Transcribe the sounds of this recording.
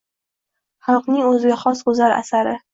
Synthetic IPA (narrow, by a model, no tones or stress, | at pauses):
χɑlˠqnɪŋɵzɪɡʲaχɒsʊzaɾa̰saɾɪ